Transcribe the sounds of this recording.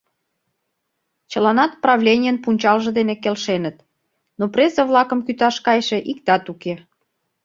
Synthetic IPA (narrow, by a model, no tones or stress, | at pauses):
t͡ɕə̆lɑnɑt̪̚prɑvlʲenʲijənpunʲt͡ɕɑlʒə̆d̪enekelʃenət̪ | nopresəβlɑkəmkyt̪ɑʃkɑjʃĕʔik̚t̪ɑt̪uke